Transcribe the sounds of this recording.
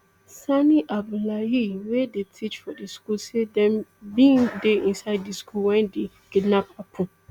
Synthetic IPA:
saniʔab̚dulaɦiwedetʰit͡ʃfɔdiskulsedɛ̃mbĩŋdeĩnsaɪddiskʰulwɛ̃nde | kidnapapʰũ

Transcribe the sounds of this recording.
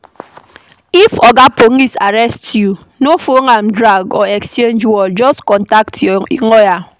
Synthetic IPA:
ifɔɡapoŋisaɾɛstju | nofoŋamdɾaɡɔekst͡ʃend͡ʒwɔd͡ʒɔskɔntaktʰɔŋɔja

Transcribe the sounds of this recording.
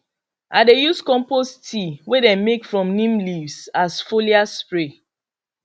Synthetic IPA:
ʔadejuskɔ̃mpostʰiwedɛ̃nmekfɹɔ̃mnĩmlivsasfoliaspɹe

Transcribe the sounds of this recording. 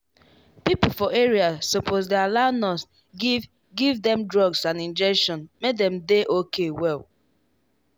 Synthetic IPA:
pipofɔeɹiasːopʰos̬dealanɔs | ɡ | ɡivdɛ̃mdɹɔɡsãnĩnd͡ʒɛkʃɔ̃nmek̚dɛ̃mdeʔokʰewɛlˠ

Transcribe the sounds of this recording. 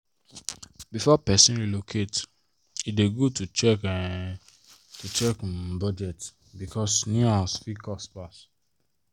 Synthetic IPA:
bifɔpɛsĩnɹilokʰet | ideɡotut͡ʃɛkɛ | tʰut͡ʃɛkbɔd͡ʒɛt | bikʰɔsnĩasfikɔspas

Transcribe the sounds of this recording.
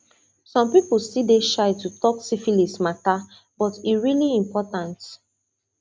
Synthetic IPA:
sɔ̃mpipl̩stideʃaɪtutɔksifilismata | b̥ɔtiɹiliĩmpɔtãnt

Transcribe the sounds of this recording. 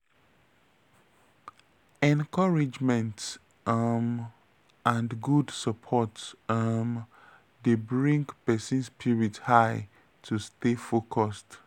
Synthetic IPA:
ɛ̃nkɔɹid͡ʒmɛ̃nt | m | ãndɡudsəpʰɔtm | debɹĩŋɡpɛsĩnspʰiɹithaɪ | tʰustefokʰɔst

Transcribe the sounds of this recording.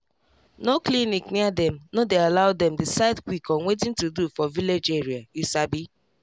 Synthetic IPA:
noklinikniadɛ̃mnodealaʊdɛmdɪsaɪdkwikɔ̃nwet̬ĩntudufɔviled͡ʒeɹiajusabi

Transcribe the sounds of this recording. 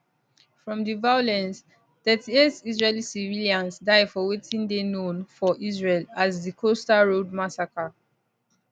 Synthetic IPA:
fɹɔ̃mdivajolɛ̃ns | d̥ɛtietizɹelisiviliãnsdaɪdfɔwetʰĩndenõnfɔʔizɹelazðikʰostaɹod̚masaka

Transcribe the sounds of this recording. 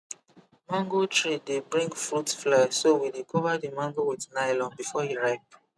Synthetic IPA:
mãŋɡotʰɹidebɹĩŋɡfɹutflɛsowidekʰɔvədimãŋɡowidnaɪlɔ̃nbifɔhiɹap̚

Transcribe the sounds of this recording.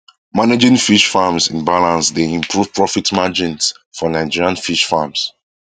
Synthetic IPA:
maned͡ʒĩŋfiʃfamsĩnbalãnsdeĩmpʰɹuvpɹɔfitmad͡ʒĩns | fɔnaɪd͡ʒiɹiãnfiʃfams

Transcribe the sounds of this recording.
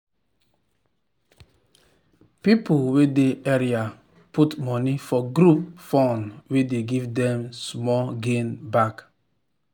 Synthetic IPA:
pipulwedeʔɛɹia | pʰutmɔnifɔɡɾup̚fɔ̃nwedeɡivdɛ̃msmɔlɡẽnbak

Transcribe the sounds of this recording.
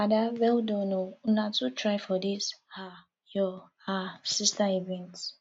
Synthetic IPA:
adawɛldonounatutʰɹajfɔdisha | jɔhasistaevɛ̃nt

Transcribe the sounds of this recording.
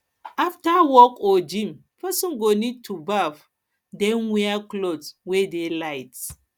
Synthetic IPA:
aftawɔkɔd͡ʒĩmpʰɛsɔ̃nɡonid̚tʰubav | dɛ̃nwɛaklodwedelaɪt

